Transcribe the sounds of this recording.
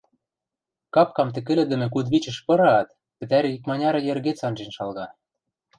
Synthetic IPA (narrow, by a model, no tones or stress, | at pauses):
kɑp̚kɑmt̪ɘ̆kɘ̆lɘ̆d̪ɘ̆mɘ̆k̬ud̪βit͡ɕɘ̆ʃpɤ̆ɾɑt̪ | pɘ̆t̪æɾɘ̆ik̚mɑnʲɑɾɤ̆jĕrɣet͡sɑnʒenʃɑlɣɑ